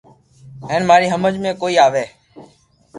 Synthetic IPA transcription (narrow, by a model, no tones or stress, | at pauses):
ɦeːnmaːɾiːɦəməd͡ʒmẽːkoːiːaːʋeː